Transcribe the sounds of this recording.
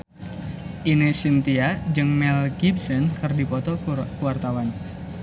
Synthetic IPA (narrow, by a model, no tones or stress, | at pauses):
ʔinesint̪iad͡ʒɨŋmɛlɡibsɔnkɨrdipɔt̪ɔkuwart̪awan